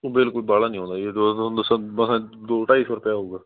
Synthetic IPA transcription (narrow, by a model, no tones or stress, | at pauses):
oːbɪlkʊlbaːlaːnĩɦõːnd̪aːet̪õnd̪əsãməsãd̪oːʈaːisbəɾpjaːɦoːɡaː